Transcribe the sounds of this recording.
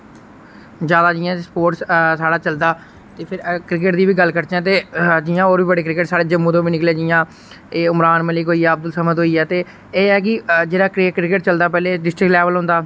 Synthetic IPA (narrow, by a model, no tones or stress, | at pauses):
d͡ʒjaːd̪aːd͡ʒɪːãːspoːʈssaːɽaːt͡ʃəld̪aː | t̪eːpʰɪɾkɾɪk̬ɪʈd̪iːʋiːɡəlkəɾt͡ʃ̪ɛ̃ːt̪̬eːd͡ʒɪːãːoːɾbiːbəɽeːkɾɪkɪʈsaːɽeːd͡ʒəmːũːt̪õːʋiːnɪklejaːd͡ʒɪːãː | eːʊmɾaːnməlɪkɦoːiːɛːəb̚d̪əlsəməd̪ɦoːiːɛːt̪eː | eːɛːk̬ɪd͡ʒeːɽaːkɾɪkɾɪkɪʈt͡ʃəld̪aːp̬ɛːleːɖɪsʈɾɪklɛːʋəlɦʊ̃nd̪aː